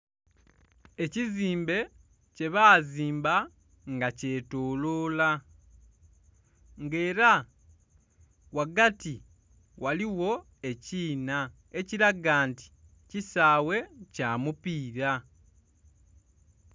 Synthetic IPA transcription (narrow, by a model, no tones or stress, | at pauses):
e̞ciziːmbe̞ | ce̞βaːziːmba | ŋɡace̞ːtoːloːla | ŋɡe̞ːɾa | waɡati | waliwo̞ | e̞ciːna | e̞ciɾaɡaːnti̥ | cisaːwe̞caːmupiːɾa